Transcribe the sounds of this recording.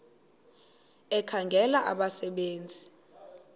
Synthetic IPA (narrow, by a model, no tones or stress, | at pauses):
ɛkʰaŋɡʱɛlaʔaɓasɛɓeːnd͡zʱi